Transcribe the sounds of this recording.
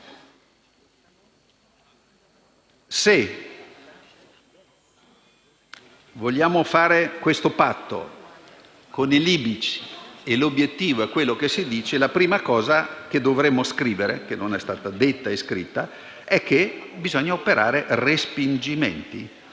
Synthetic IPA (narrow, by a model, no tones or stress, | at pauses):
se | voʎjaːmofaːɾekwest̪opat̪ːo̰ | koniliːbit͡ʃi̥elobjet̪ːiːvoɛkwelːokesːid̪iːt͡ʃelapɾiːmakɔːzak̟ed̪ovɾemːoskɾiːveɾekenːonɛst̪aːt̪ad̪et̪ːaeskɾit̪ːa | ɛkːe | bizɔɲːaopeɾʔa̰ːɾerespind͡ʒimḛnt̪i